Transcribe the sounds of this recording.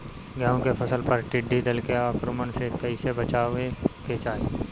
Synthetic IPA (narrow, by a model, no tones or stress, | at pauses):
ɡaːõkepʰɐsəlpɐɾʈɪɖːid̪ɪlkeaːkɾomənsekɐisebət͡ʃaːʋeket͡ʃaːe